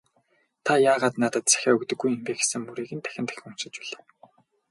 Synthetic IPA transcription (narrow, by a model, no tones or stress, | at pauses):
t̪ʰajaːʁaːt̪nat̪ə̆t̪̚t͡sæ̥xʲaːɵkt̪ɵ̆ɡːujempeːxesɘ̆ŋːuɾeːɣɘ̆nt̪ʰæ̥xʲɪ̆nt̪æ̥x̆ʲŋunt͡ɕɪ̆t͡ɕæɮaː